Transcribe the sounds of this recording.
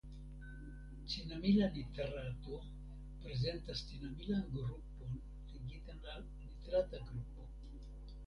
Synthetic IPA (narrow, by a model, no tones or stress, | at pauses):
t͡sinamilalit̪erat̪u | pɾezent̪ast̪inamilaŋɡɾupon | liɡit̪anal | lit̪eɾat̪aɡɾupo